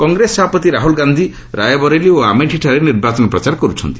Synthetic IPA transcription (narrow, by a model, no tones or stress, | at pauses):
kɔŋɡɾesɔbʱapɔt̪iɾaɦulɡand̪ʱi | ɾajɔbɔɾelioameʈʰiʈʰaɾeniɾbat͡ʃɔnɔpɾɔt͡ʃaɾkɔɾut͡ʃʰɔ̰nt̪i̥